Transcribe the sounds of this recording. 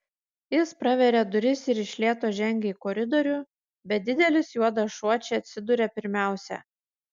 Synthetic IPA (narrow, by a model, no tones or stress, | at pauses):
jɪspɾɐʋʲɛɾʲɛd̪ʊɾʲɪsɪɾɪʃʲlʲiɛːt̪oːʒʲɛŋʲɡʲɛiːkɔɾʲɪd̪ɔɾʲʊ | bʲɛt̪̚d̪ʲɪd̪ʲɛlʲɪsjuɔd̪ɐʃuɔt͡ʃʲɛɐt̪ʲsʲɪd̪ʊɾʲɛpʲɪɾʲmʲæˑʊsʲɛ̰